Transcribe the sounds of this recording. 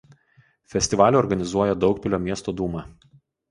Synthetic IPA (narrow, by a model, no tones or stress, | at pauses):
fʲɛsʲt̪ʲɪʋɑːlʲuːɔɾɡɐnʲɪzuɔjɛd̪ɒʊkpʲɪlʲoːmʲiɛst̪oːd̪uːmɑ